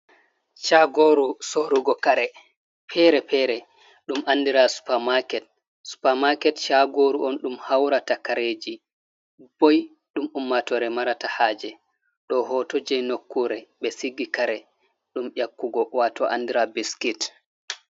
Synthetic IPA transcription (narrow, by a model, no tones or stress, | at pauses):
t͡ʃaɡoɾusoɾuɡɔkaɾɛ | pʰɛɾɛpɛɾɛ | ɗumʔanːdiɾasu̥pamakɛt̚ | su̥pamakɛtt͡ʃaɡoɾuʔɔnɗumhawɾatakaɾed͡ʒi | b̥ɔj | ɗumumːatɔɾɛmaɾatahaːd͡ʒɛ | ɗɔɦɔtod͡ʒɛjnokːuɾɛɓɛsiɡːikaɾɛ | ɗumʔakːuɡɔwatɔ̰ʔa̰ndiɾabiskit